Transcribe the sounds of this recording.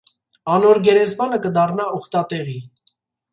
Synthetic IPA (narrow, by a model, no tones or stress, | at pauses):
ɑnɔɾɡɛɾɛzmɑnəkəd̪ɑrnɑɔχt̪ɑt̪ɛʁi